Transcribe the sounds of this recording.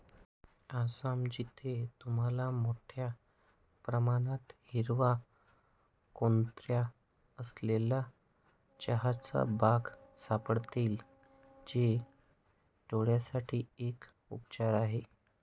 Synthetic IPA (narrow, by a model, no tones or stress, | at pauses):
asamd͡ʑit̪ʰet̪um̤alamoʈʰja | pɾəmaɽ̃at̪hiɾʋa | kont̪ɾja | əslela | t͡ɕaɦat͡sa̰baɡsapəɽt̪iːl | d͡ʑe | t̪oɽjasaʈʰiːek | upt͡ɕaɾaɦe